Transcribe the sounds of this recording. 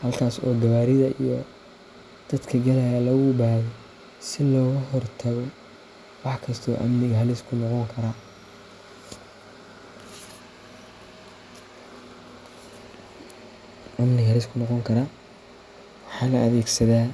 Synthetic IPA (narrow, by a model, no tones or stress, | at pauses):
hɐlkʰaːsɔ̰ːɡɐβaːɾɪðɐʔijɔ | d̪̥ɐd̪kʰɐɡɐlɐjalɐɣʊbaːɣɔ | sɪlɔːɣɐɦɔrt̪ʰɐɣɔ | wɑħkʰɐst̪ʰɔ̰ːʔɐ̰mnɪɣɐɦɐlɪskʰʊnɔqɔŋkʰɐɾa | ʔɐmnɪɣɐhɐlɪskʰʊnɔqɔŋkʰɐɾaː | wɑħɑːlɐɐðɛːɡsɐðaː